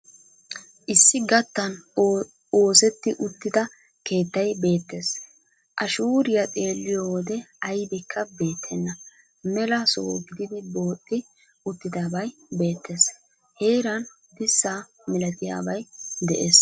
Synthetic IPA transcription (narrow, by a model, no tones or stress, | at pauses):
ʔɪsːɪɡɐt̪ːɐn | o̞ːsɛt̪ːɪʔʊt̪ːɪd̪ɐ | ke̞ːt̪ːɐjbe̞ːt̪ːes | ʔɐʃuːɾɪjɐt̪ʼe̞ːlːɪjowɔd̪ɛɐjbɪkʰːɐbe̞ːt̪ʰːɛnːɐ | mɛlɐso̰ːɡɪd̪ɪd̪ɪbo̞ːt̪ʼːɪ | ʊt̪ːɪd̪aːbɐjbe̞ːt̪ːes | heːɾɐn | d̪ɪsːa | mɪlɐt̪ɪja̰ːbɐjd̪ɛʔeːs